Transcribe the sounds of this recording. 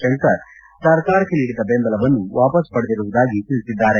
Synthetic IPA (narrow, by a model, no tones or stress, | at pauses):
ɐŋkɐɾ | sɐɾkaːɾɐkːeniːɽid̪ɐbenb̪ɐlɐʋɐnːuʋaːpɐspɐɽed̪iɾuʋud̪aːɡit̪iɭsid̪ːaːɾe